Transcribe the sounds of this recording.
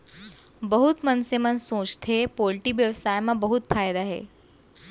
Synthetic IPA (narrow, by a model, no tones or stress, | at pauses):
bəɦut̪mənsemənsõt͡ʃt̪ʰepolʈiʋjəʋsajmãbəɦut̪fajd̪aɦḛ